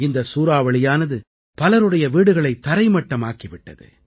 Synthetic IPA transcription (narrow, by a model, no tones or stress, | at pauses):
ɪnd̪ɐsuːɾaːʋɐɭɪjaːnɐðɯ | pɐlɐɾɯɽɐjɐʋiːɽɯɣɐɭɐɪt̪ːɐɾɐɪmɐʈːɐmaːkiʋɪʈːɐ̰ðɯ̰